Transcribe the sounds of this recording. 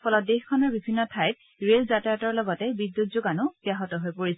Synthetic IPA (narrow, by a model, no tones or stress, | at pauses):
pʰɔlɔt̚dexkʰɔnɔɹbibʱinːɔtʰajt̚ | ɹelzatatɔɹlɔɡɔtɛbidjutzoɡanʊbjaɦɔtɔɦojpoɹis